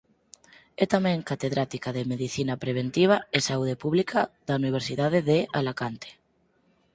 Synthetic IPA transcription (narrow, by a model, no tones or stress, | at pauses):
ɛt̪amɛ̃ŋkat̪eðɾat̪ikaðemeðiθinapɾeβ̞ent̪iβ̞aesauð̞epuβlikʰaðauniβ̞eɾsiðaðeðealakant̪e̥